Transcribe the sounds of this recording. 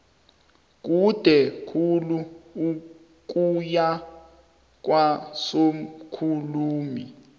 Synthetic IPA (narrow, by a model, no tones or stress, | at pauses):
k̬ud̥ʱɛkʰuluu | k̬uja | k̬wasom̩kʰuluːmi